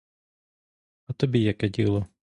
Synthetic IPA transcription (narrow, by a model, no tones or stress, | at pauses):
ɐt̪ɔbʲijakɛdʲḭlˠɔ